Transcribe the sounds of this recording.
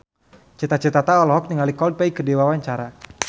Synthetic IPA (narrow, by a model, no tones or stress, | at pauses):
t͡ʃit̪at͡ʃət̪at̪aɔlɔɦɔk̚niŋalikɔld̚paikədewawaɲt͡ʃaɾa